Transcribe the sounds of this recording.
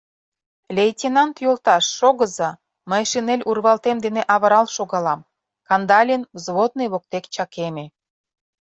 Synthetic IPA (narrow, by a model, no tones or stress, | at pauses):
lʲejtʲinɑnt̪jolt̪ɑʃːoɣəzɑ | məjʃinelʲʔurβɑlt̪emd̪eneʔɑβə̆ɾɑlʃoɣɑlɑm | kɑnd̪ɑlʲinzβot̪̚nejβok̚t̪ekt͡ɕɑkeme